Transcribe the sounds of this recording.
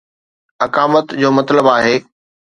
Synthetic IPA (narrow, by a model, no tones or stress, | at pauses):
ɐkaːmət̪d͡ʑoːmɐt̪ləbaːɦeː